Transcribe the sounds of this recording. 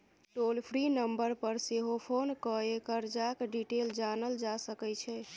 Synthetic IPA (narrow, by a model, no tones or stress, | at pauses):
ʈolpʰɾinəmbəɾpəɾseɦopʰonkəekəɾd͡ʒakɖiʈeld͡ʒanəld͡ʒasəkɛt͡ʃʰɛ